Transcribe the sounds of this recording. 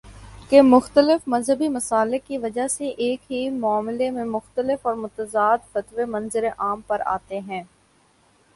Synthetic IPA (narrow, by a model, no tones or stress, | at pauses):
kemʊxt̪əlɪfmɐzɦəbimɐsaːlɪkiʋɐd͡ʒaɦseʔeːkɦimʊaːmlemẽmʊxt̪əlɪfɔːɾmʊt̪əzaːd̪fɐt̪ʋemɐ̃nzɪɾeʔaːmpɐɾa̰ːt̪eɦɛ̃ː